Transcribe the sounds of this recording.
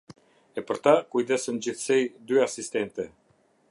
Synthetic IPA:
ɛpəɾt̪akujd̪ɛsɛnd͡ʑiθsɛjd̪yasist̪ɛnt̪ɛ

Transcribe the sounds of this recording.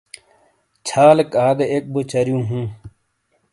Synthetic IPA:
t͡ɕʰaːlekaːd̪eek̚bot͡ɕɐɾjũːɦũː

